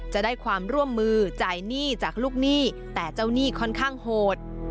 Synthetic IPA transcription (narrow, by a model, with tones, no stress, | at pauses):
t͡ɕa˨˩daː˥˩jkʰwaː˧mɾu˥˩əmːɯː˧t͡ɕaː˨˩jniː˥˩t͡ɕaː˨˩k̚luː˥˩k̚niː˥˩ | t̪ɛː˨˩t͡ɕa˥˩wniː˥˩kʰɔ˥˩nkʰaː˥˩ŋhoː˨˩t̪̚